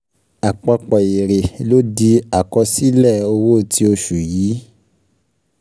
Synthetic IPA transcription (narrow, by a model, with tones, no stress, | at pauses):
a˨k͡pɔ˧k͡pɔ˨i˨ɾe˨lo˦di˧a˨kɔ˧si˦lɛ˦˨o˧wo˦˨ti˧o˧ʃu˨jiː˨˦